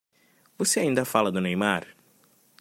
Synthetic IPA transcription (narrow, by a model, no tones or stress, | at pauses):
voseaĩnd̪ɐfalɐd̪ʊnejmaɾ